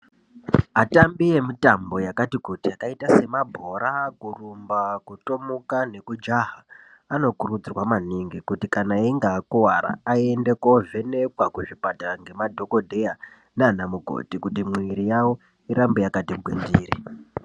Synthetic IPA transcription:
atambije̞mitambo̞jakatikutiakaitase̞mabʱo̞ɾakurumbakutomukane̞kud͡ʒaɦa | ano̞kuɾud͡zirwamaniŋɡikutikanaiŋɡaːkuwaɾa̰ːiende̞ko̞ve̞ne̞kwakuʐipataŋɡe̞madʱo̞ko̞dʱe̞ja | nanamuɡʱo̞̰tikutimwiɾijawo̞ | iɾambejakatiɡʱwḛnd͡ziːɾi

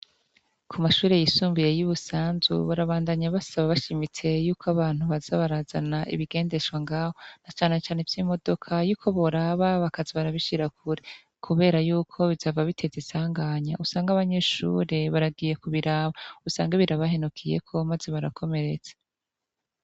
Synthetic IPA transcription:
kʰumaʃuːɾe̞jisuːmbije̞juβusaːnzṵβuɾaβaːndaɲaβasaβaβaʃimit͡se̞juːkaβaːn̥huβazaβaɾaːzanaʔḭβiɡe̞ːnde̞ʃɡwaŋɡaːhonat͡ʃaːne̞t͡ʃaːne̞vjimo̞do̞kʰajuːkʰo̞βoɾaβaβakaziβaɾaβiʃiɾakʰuɾe | kʰuβe̞ːɾajuːkʰo̞βizavaβitʰe̞zisaːŋɡaːɲa̰usaːŋɡaβaɲe̞ʃṵːɾe̞βaɾab̚ɡiːje̞kuβiɾaːβausaːŋɡaβiɾaβahe̞nukʰije̞̰kʰo̞mazeβaɾakʰo̞me̞ɾe̞t͡sḁ

